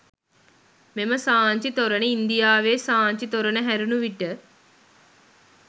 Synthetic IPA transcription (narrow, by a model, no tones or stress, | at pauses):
meməsaːɲt͡ʃit̪oɾənəind̪ijaːʋeːsaːɲt͡ʃit̪oɾənəɦæɾunuʋiʈə